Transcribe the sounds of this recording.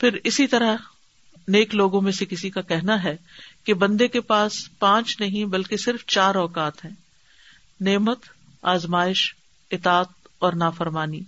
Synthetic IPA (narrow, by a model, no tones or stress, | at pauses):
pʰɪɾɪsit̪ɐɾəɦ | neːkloːɡõmẽsekɪsikakɛɦnaɦɛkebɐ̃nd̪ekepaːspãːt͡ʃnɐɦĩbɐlkesɪɾft͡ʃaːɾɔːkaːt̪ɦɛ̃ː | neːmət̪ | aːzmaːɪʃ | ɪt̪aːt̪̚ɔːɾnaːfɐɾmaːniː